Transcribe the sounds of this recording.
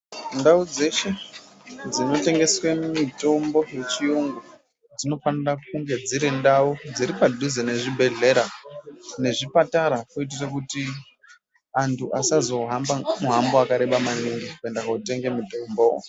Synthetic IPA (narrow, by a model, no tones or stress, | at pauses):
ndaud͡ze̞ʃe̞ | d͡zino̞te̞ŋɡe̞swemito̞mbo̞je̞t͡ʃiuŋɡu | d͡zino̞fanirak̚uŋɡe̞d͡ziɾendaud͡ziɾipadʱuzene̞ʐibʱe̞ɮe̞ɾa | ne̞ʐipataɾakoit̬irekuti | antʰuʔasazo̞ɦambamuɦamboakaɾe̞ɓamaniŋɡikue̞ndakaute̞ŋɡe̞muto̞mbo